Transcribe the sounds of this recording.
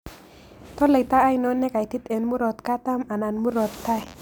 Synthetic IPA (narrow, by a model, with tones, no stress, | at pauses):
t̪ɔ˦lə˨t̪aː˦jno˦nːɛ˦ka˨jt̪i˦t̪e˨nmu˦ɾo˨t̪ka˦t̪a˦ma˨na˨nmu˦ɾo˨t̪ːa˦j